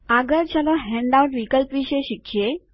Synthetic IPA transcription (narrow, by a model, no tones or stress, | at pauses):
aɡəɾt͡ɕalɔɦɛ̃ɳɖauɳʈʋikəlpʋiɕeɕikɕje